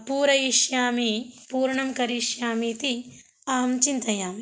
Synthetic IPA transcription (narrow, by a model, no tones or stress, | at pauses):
puːɾɐjiʃjaːmipuːɾɳɐmkɐɾiʃjaːmit̪i | aːɐmt͡ʃint̪ɐjaːmi